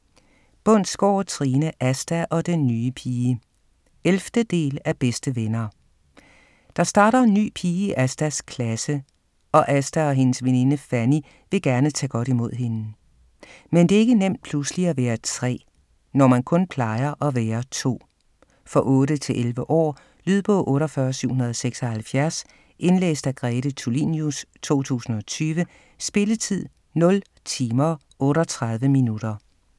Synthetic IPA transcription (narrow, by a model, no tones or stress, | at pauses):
b̥ɔn̰̥sɡ̥ɒ̰ːt͡sʰʁiːnəʔæsd̥æʔɒ̽d̥enːyːəpʰiːə | elfd̥əd̥e̝̰ːlæb̥esd̥əʋenɐː | d̥ɑ̈sd̥ɑ̈ːɾɐe̝nːy̰ːpʰiːəiʔæsd̥æskʰlæsə | ɒ̽ʔæsd̥æɒ̽ɦe̝nəsʋene̝nəfæni | ʋe̝ɡ̥æɐnət͡sʰɛ̰ːɡ̥ɒ̽ɾ̥imo̝ð̰ˠɦe̝n | mend̥e̝e̝ɡ̥ənem̰d̥̚pʰlusliæʋæːɐt͡sʰʁɛ̰ː | nɒmænkʰɔ̽npʰlɑ̈ɪɐʔɒ̽ʋeːɐt͡sʰo̝̰ː | fɒ̽ʔɔ̽ːɾət͡sʰe̝lʔelʋəʔɒ̰ː | lyðˠb̥ɔ̰ʔɔ̽ːɾɒfɶɐsyʊ̰hunɐðˠɒ̽seɡ̥sɒ̽hælfjæɐs | e̝nlḛːsd̥æɡ̥ʁɛːɾ̥ət͡sʰulinjust͡sʰo̝̰ːt͡sʰṵːsn̩ɒ̽t͡sʰyːʋə | sb̥e̝lət͡sʰið̰ˠ | nɔ̽l | t͡sʰiːmɐ | ʔɔ̽ːɾɒt͡sʰʁɑ̈ð̞ˠʋəminud̥ɐ